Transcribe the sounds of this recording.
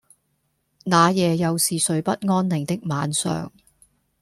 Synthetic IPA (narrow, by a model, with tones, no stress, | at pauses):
naː˨˧jɛː˨˧jɐ˨wsiː˨sɵ˨˧ɥpɐ˥t̚ŋɔː˥nlɪ˨˩ŋt̪ɪ˥k̚maː˨˧nsœ̰ː˨ŋ